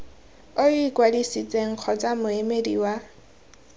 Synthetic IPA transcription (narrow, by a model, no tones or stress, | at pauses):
oikʼwadisit͡sʼeŋ̩q͡χʰɔt͡sʼamʊemedḭwa